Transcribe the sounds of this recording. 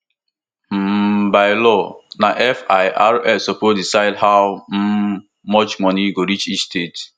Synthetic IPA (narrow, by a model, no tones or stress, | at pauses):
m̩baɪlɔnaʔɛfaɪʔaɹɛfsɔpodisaɪdhaʊm̩ | mɔt͡ʃmɔniɡoɾit͡ʃistet